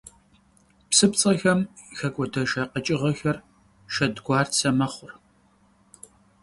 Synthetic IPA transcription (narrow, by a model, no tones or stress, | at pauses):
psɨpt͡sʼɐxɐmxɐkʷʼɔdɐʃaːqət͡ʃʼɪʁɐxɐr | ʃɐdɡʷɑːrsʰɐmɐχʷʊr